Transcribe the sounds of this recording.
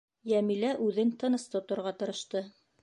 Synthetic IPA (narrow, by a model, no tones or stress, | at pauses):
jæmilæʔʉðɘnt̪ɤ̆nɤ̆st̪ŏt̪ŏɾʁɑt̪ɤ̆ɾɤ̆ʃt̪ɤ